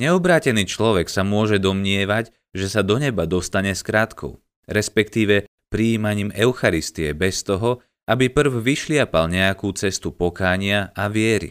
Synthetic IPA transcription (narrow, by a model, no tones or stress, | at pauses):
ɲɛɔbɾaːcɛniːt͡ʃlɔʋɛksamʊɔʒɛd̪ɔmɲɪɛʋac | ʒɛsad̪ɔɲɛbad̪ɔst̪aɲɛskɾaːt̪kʰɔ̰ʊ | ɾɛspɛkt̪iːʋɛ | pɾiiːmaɲiːmɛʊxaɾist̪iɛbɛst̪ɔɦɔ | ʔabipr̩vʋiʃlɪapalɲɛjakuːt͡sɛst̪upɔkaːɲɪaʔaʋɪɛɾḭ